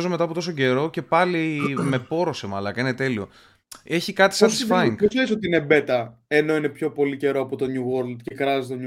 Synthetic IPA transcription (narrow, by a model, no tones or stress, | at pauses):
zomet̪ɐpot̪o̞so̞ɟe̞ɾo̞ce̞pɐlime̞po̞ɾo̞semɐlɐkɐine̞t̪e̞lio | e̞çikɐt̪i̥sɐt̪issfɐiŋɡesesot̪iinebe̞t̪ɐe̞no̞ine̞pço̞po̞lice̞ɾoɐpot̪oɲuɣoɾld̪cekɾɐzit̪oɲu